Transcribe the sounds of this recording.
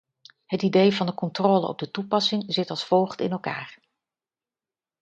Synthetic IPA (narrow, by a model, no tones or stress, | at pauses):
ɦətidejvɑndəkɔntroːlə̰ɔ̰b̚dətupɑsɪŋzɪtɑlˠsfɔwχtɪ̰nɛlˠka̰ːɹ